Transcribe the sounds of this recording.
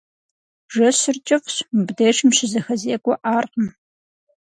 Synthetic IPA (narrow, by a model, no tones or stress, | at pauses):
ʒɐɕɪrt͡ʃʼɪfɕmɨbdeːʂɨmʃɪzɐxɐzeːkʷʼɔʔaːrqəm